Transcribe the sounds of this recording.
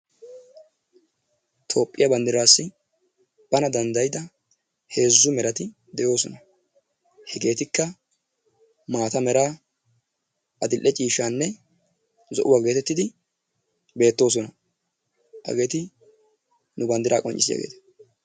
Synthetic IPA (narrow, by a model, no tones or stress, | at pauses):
t̪ʰo̞ːpʼːɪjɐbɐnd̪ɪɾaːsːɪ | b̥ɐnɐd̪ɐnd̪ɐjɪd̪ɐ | he̞ːzːʊmɛɾɐt̪ɪ | d̪ɛjo̞ːsɔnɐ | hɛɡe̞ːt̪ɪkːɐ | maːt̪ɐmɛɾaː | ʔɐd̪ɪlʔːɛt͡ʃʼiːʃaːnːɛ | zɔʔʊwaːɡe̞ːt̪ɛt̪ːɪd̪ɪ | be̞ːt̪ːo̞ːs̬ɔnɐ | ʔɐ̰ɡe̞ːt̪ɪ | nʊbɐnd̪ɪɾaːkʼɔ̰nt͡ʃʼɪsɪja̰ɡeːt̪ɐ̥